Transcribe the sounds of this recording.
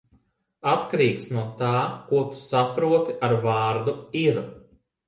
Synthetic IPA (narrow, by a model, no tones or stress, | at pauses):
at̪kaɾiːksnuɔt̪aːkuɔt̪u̥sapɾuɔt̪iʔaɾvɑːɾd̪uiɾ